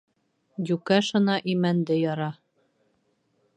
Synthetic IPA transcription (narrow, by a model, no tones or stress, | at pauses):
jʉkæʃɤ̆nɑʔimænd̪ɘjɒɾɑ